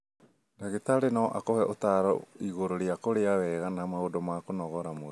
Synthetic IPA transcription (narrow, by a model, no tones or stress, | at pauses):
naɣetaɾenaɔʔakohɛʔotaɾɔ̰iɣoɾoɾeakoɾeawɛɣanamaodomakonɔɣɔɾamo